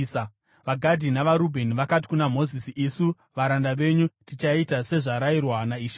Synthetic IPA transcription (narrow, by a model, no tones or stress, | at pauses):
ʋaɡʱadʱinaʋaɾubʱe̞niʋakat̬i̥kunamo̞zisiʔisu | ʋaɾandaʋe̞ɲutit͡ʃaitase̞ʐaɾairwanaiʃa